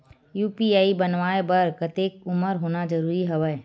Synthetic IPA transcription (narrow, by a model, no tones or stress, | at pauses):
juːpiaːibɐnʋaːebəɾkət̪eːkʊməɾɦoːnad͡ʒɐɾuːɾiɦɐʋə